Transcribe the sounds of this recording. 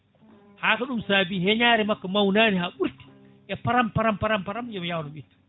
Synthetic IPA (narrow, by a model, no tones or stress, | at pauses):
haːkaɗumsaːbiːhɛɲaːɾɛmakːamawnaːnihaɓuɾti̥ | ʔɛpaɾampaɾampaɾampaɾamjɛmjawnɔɓitːḁ